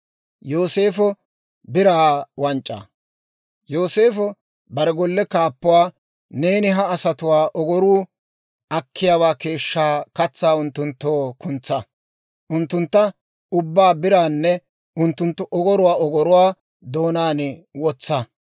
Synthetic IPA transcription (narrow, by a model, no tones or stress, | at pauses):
jo̞ːse̞ːfɔ | bɪɾaːwɐnt͡ʃʼːa̰ | joːse̞ːfɔ | bɐɾɛɡɔlːɛkaːpːʊwaː | ne̞ːnɪɦɐːsɐt̪ʊwaːʔɔɡɔɾuː | ʔɐkʰːɪjaːwaːke̞ːʃːaːkɐt͡sːaːʊnt̪ːʊnt̪ːoːkʊnt͡sːɐ | ʔʊnt̪ːʊnt̪ːɐ | ʊbːaːbɪɾaːnːɛ | ʔʊnt̪ːʊnt̪ːʊʔɔɡɔɾʊwaːʔɔɡɔɾʊwaː | d̪oːnaːnɪwɔt͡sːɐ